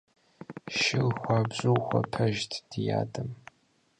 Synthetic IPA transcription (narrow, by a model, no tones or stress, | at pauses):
ʃɪlxʷabɕʷʼɨwχʷɐ̰pʰɐʒtʰd̥ja̰ːdʰʼɨm